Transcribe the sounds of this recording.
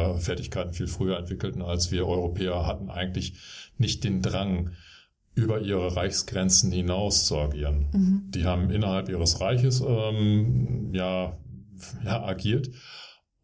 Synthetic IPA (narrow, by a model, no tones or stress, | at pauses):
fɛɐtɪçkʰaɪtn̩fiːlfʁ̥yːɐɛntv̥ɪkl̩tn̩alsv̥iːɐʔɔʏʁopʰɛːɐhatn̩ʔa̰ɪɡŋ̩tlɪçnɪçt̚d̥eːndʁaŋ | ʔyːbɐʔiːʁəʁaɪçsɡ̥ʁɛnt͡sn̩hɪnaʊst͡sua̰ɡiːʁənd̥iːɦaːbm̩ʔɪnɐhalpʔiːʁəsʁaɪçəsɛːm | jaː | jaːʔaɡiːɐt